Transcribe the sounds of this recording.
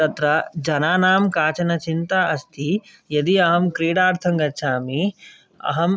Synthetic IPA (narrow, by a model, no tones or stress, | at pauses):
t̪ɐt̪ɾɐd͡ʒɐnaːnaːmkaːt͡ʃɐnɐt͡ʃint̪aʔɐst̪ʰi | jɐd̪iɐɦɐmkɾiːɽaːɾt̪ʰɐŋɡɐtːʃʰaːmi | ɐ̰ɦɐm